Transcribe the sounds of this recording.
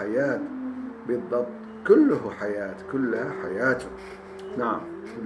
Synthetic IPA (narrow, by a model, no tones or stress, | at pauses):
ajaːt̪bɨðˤːɑb̚t̪ˤkʊlːʊɦħajaːt̪kʊlːhaħajaːt̪ʊ | naʕa̰m